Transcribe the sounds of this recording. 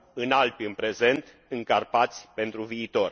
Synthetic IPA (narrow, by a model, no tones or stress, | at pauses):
ɨnalpiɨnpɾe̞ze̞nt̪ | ɨŋkarpat̪sʲpe̞nt̪ɾuviːt̪o̞r